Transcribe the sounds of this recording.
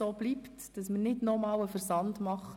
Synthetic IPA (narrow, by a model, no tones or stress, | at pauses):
oːb̥liːptd̥ɑsməɾnɪdnɔmɑːwəfəɾsɑndmɑχ